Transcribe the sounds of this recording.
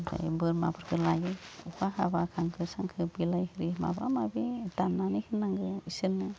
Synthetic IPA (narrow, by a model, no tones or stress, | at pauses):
da̰jbɯɾmabɯɾkʰɯlaɡiuhaɦabakʰaŋkɯsaŋkʰɯbilajhɯɾima̰ba̰mabitamnanihɯnaŋɡɯisɯnːɯ